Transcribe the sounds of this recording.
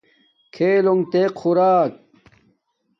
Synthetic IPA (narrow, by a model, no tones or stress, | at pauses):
kʰeːloŋt̪eqʰxuɾaːk̚